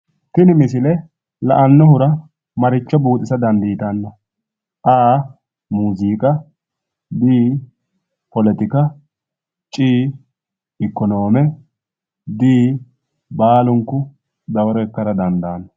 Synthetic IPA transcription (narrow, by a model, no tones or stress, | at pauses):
t̪ɪnɪmɪsɪlɛ | lɐ̰ʔɐnːɔhʊɾɐ | mɐɾɪt͡ʃːɔbuːt̪ʼːɪsɐd̪ɐnd̪iːt̪ɐnːɐ | ʔaː | muːziːkʼɐ | d̪iː | pɔlɛt̪ɪkɐ | t͡ʃʼiː | ɪkːɔno̞ːmɛ | d̪iː | baːlʊŋkːʊ | d̪ɐwɔɾɔkːɐɾɐd̪ɐnd̪aːnːɐ